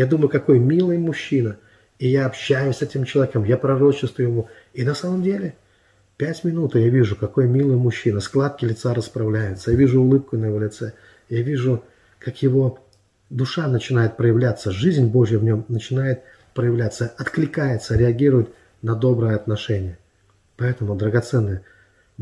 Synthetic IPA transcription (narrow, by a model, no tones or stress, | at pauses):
jad̪uməjʊkɐko̞jmʲilˠɨjmʊɕːinə | ijaɐpɕːæjʊsʲsɛtʲɪmt͡ɕɪlˠɐvʲekəmjapɾɐɾo̞t͡ɕɪst̪vʊjɪmu | inɐsaməmdʲelʲɪ | pʲætʲmʲɪnut̪javʲiʐʊkɐko̞jmʲilˠɨjmʊɕːinəsklˠat̪̚kʲɪlʲɪt̪saɾəspɾɐvlʲæjʊt̪səjavʲiʐʊːlˠɨp̚kʊnəjɪvo̞lʲɪt̪sɛ | javʲiʐʊ | kakjɪvo̞ | d̪ʊʂanət͡ɕɪnajɪt̪̚pɾəjɪvlʲat̪sːəʐɨzʲnʲbo̞ʐjəvnʲo̞mnət͡ɕɪnajɪt̪̚ | pɾəjɪvlʲat̪səɐt̪klʲɪkajɪt̪səɾʲɪɐɡʲiɾʊjʊt̪ | nɐd̪o̞bɾəjəɐt̪nɐʂɛnʲɪjə | pɐɛt̪əmʊd̪ɾəɡɐt̪sɛnːəjə